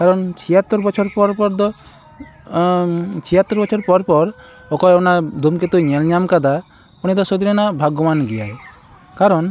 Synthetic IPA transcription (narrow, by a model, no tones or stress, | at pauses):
kaɾɔnt͡ʃʰiɦat̪ːɔɾbɔt͡ʃʰɔɾpɔɾpɔɾd̪ɔ | t͡ʃʰiɦat̪ːɔɾbɔt͡ʃʰɔɾpɔɾpɔɾ | ɔkɔjɔnad̪ʱumket̪ujɲɛlɲamkad̪a | puñid̪ɔsod̪iɾenabʱaɡɔmanɡijaj | kaɾɔn